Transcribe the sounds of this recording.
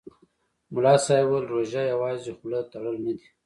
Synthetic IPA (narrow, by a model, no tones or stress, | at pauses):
mʊlɑːsɑjwəlɾoʒajawɑːzixʊlət̪aɽəlnad̪i